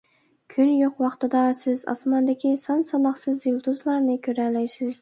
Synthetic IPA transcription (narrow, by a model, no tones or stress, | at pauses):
kʲʰynjoqwɑqt̪ɨd̪ɑsɪzɑ̰smɑnd̪ɪkʲisɑnsɑnɑχsɨzjulˠt̪ʰuzlˠɑɾnɪkʲʰɵɾælːɛjsɪz̥